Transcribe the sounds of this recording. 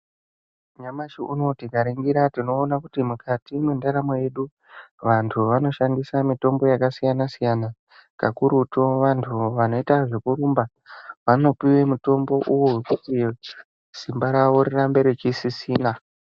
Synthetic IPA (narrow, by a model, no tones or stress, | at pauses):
ɲamaʃiʔuno̞tikaɾeŋɡiɾatino̞ːnakutimukʰatimendaɾamoje̞ɗu | ʋantʰuʋano̞ʃandisamito̞mbo̞jakasijanasijana | ka̰kuɾuto̞ʋantʰuʋano̞itaʐe̞kuɾumba | ʋano̞piwe̞muto̞mbo̞ʔuwowekuti | simbaɾaʋo̞ɾirambe̞ɾet͡ʃisisiːna